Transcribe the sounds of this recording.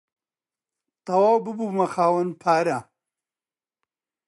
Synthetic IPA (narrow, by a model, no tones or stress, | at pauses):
t̪ɐwaːwbɨbumɐxaːwɐnpʰaːɾa